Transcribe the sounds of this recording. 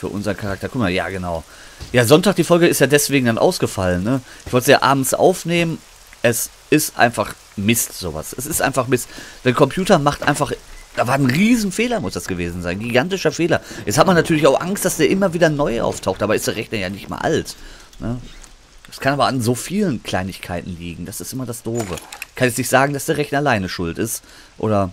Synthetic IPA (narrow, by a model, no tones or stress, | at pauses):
fyːɐʔʊ̰nzəʁənkʰaʁak̚tɐkʊkmaja̰ːɡənaʊ | jaːzɔntaːk̚d̥iːfɔlɡəɪstjaːdɛsv̥eːɡŋ̩danʔa̰ʊsɡ̥əfalənːəʔɪçv̥ɔltəja̰ːʔa̰ːbm̩t͡sʔa̰ʊfneːmən | ʔɛs | ɪstʔa̰ɪnfaχ | mɪstz̥o̰ːva̰sʔɛsɪstʔa̰ɪnfaχmɪstd̥ɛːkɔmpʰj̥uːtɐmaχtʔa̰ɪnfaχd̥aːvaːɐnʁiːzn̩feːlɐmʊsd̥asɡ̥əveːzn̩zaɪnɡiɡantɪʃɐfeːlɐjɛt͡sthatmanːatʰyːɐlɪçaʊxʔaŋstd̥asd̥eːɐʔɪmɐviːdɐnɔʏʔa̰ʊftʰaʊxtʔaːbɐɪstd̥eːɐʁɛçnɐjaːnɪçtm̰ɐʔa̰lt | nə | d̥askʰanaːbɐanzoːfiːlənkʰl̥aɪnɪçkʰaɪtn̩liːɡŋ̩dasɪstʔɪmɐdasd̥oːvəkʰanɛt͡snɪçtz̥aːɡŋ̩dasd̥eːɐʁɛçnɐlaɪnəʃʊltɪst | ʔo̰ːɾɐ